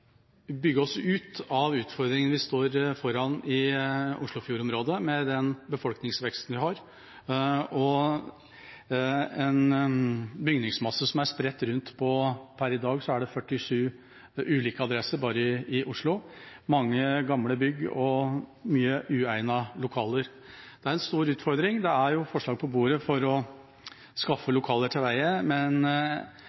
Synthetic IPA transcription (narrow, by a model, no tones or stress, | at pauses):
bʏɡːəɔsːɔʉːt̪ɑʋʉːt̪fɔɾd̪ɾɪŋənʋɪst̪oːɾfɔɾɑnɪʊʂɭʊfjuːɾɔmɾoːd̪əmɛd̪ɛnbəfɔlknɪŋsʋɛkst̪n̩ʋɪhɑɾ | ɔ | ɛn | bʏɡnɪŋsmɑsːəsɔmæɾspɾɛt̪ːɾʉnt̪pʰɔpʰæɾɪd̪ɑːɡsɔæɖɛfœʈːɪʂʉː | ʔʉːliːkəɑd̪ɾɛsəɾbɑːɾəɪʔʊʂɭʊmɑŋːəɡɑmləbʏɡːɔmyːəʔʉːæɪnɑlʊkʰɑːləɾ | d̪̥ɛæɾɛnst̪uːɾʉːt̪fɔɾd̪ɾɪŋd̪ɛæɾjʊfɔʂɭɑːɡ̚pʰɔbuːɾəfɔɾɔ | skɑfːəlʊkʰɑːləʈʰɪlʋæɪəmɛn